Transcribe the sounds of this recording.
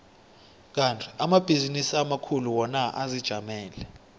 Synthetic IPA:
k̬antʰʼi̥amab̥ʱizinisiamakʰuluwɔnaʔazid̥ʒ̥ʱamɛːlɛ

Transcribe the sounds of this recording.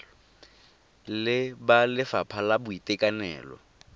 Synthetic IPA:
lɪbalɪfapʰalabʊitʼɛkʼanɛ̰ːlɔ̰

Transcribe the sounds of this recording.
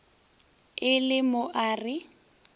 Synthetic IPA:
ɪlɪmʊʔaːrɪ

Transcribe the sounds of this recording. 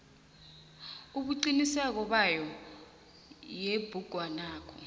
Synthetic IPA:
uɓuǃinisɛk̬ɔɓajɔ | jeb̥ʱuɡ̥ʱwanaːkʰɔ

